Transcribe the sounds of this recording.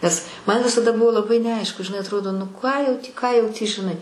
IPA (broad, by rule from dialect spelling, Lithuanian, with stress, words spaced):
nʲɛs mɐn ʋʲɪsɐˈdɐ ˈbʊʋoː lˠɐˈbɐɪ nʲɛˈɐɪʃkʊ ʒʲɪˈnɐɪ ɐtˈroːdoː nʊ kɑː jɛʊ tʲiː kɑː jɛʊ tʲiː ʒʲɪˈnɐɪ